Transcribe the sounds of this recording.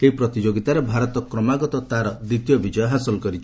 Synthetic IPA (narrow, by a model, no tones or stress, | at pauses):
keɦipɾɔt̪id͡ʒoɡit̪aɾebʱaɾɔt̪ɔkɾɔmaɡɔt̪ɔt̪aɾɔd̪ɾit̪jɔbid͡ʒɔjɔɦasɔlɔkɔɾit͡ʃʰi̥